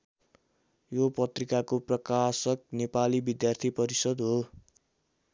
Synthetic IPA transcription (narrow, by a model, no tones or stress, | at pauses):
jopʌt̪rikakoprʌkasʌk̚nepalibid̪jart̪ʰipʌɾisʌd̪ɦo